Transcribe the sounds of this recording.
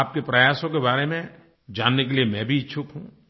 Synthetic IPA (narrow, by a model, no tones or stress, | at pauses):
aːp̚kepɾɐjaːsõkebaːɾemẽ | d͡ʒaːnːek̬eliemɛ̃bʱiɪʃʰʊkɦũː